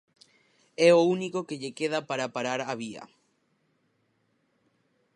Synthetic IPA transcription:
ɛounikokeʎekeðapaɾapaɾaɾaβiɐ̰

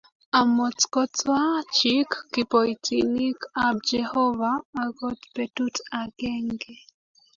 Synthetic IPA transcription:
amɔt͡skɔtwat͡ʃikːipɔitʰilikab̚d͡ʒɛhɔvaːɡɔtpɛtutaɡɛŋɡɛ

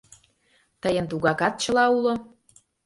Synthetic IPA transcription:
t̪əjə̆nt̪uɣɑkɑt̪̚t͡ɕə̆lɑulo

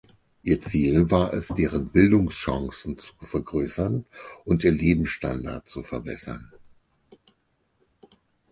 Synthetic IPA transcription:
ʔiːɐt͡siːlvaːɐʔɛ̰sd̥eːʁ̞ənbɪldʊŋsʃãŋsn̩t͡su̥fɛɐɡʁøːsɐnʔʊntiːɐleːbm̩sʃta̰nda̰ɐtt͡sufɛɐbɛsɐ̰n

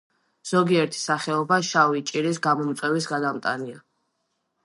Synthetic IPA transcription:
z̥ɔɡiɛɾt̪ʰi̥saχɛɔbaʃavit͡ʃʼiɾisɡamɔmt̪sʼwɛvisɡad̪amt̪ʼania

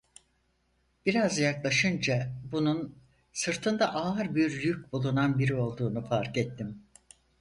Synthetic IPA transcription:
b̥iɾazjaklˠaʃɯnd͡ʒabunun | sɯɾt̪ʰɯnd̪aʔaɾbiɾjyc̚ʲbulˠunanbiɾio̞lˠd̪uːnufaɾkɛt̪ːim

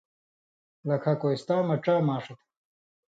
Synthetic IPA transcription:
lɐkʰakojst̪aːmɐʈ͡ʂaːmaːʂɐt̪

